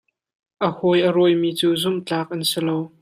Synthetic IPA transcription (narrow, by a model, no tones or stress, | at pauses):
ʔəhɔjʔəɾɔjmiːt͡suːzʊmt͡ɬaːk̚ʔɐnsilow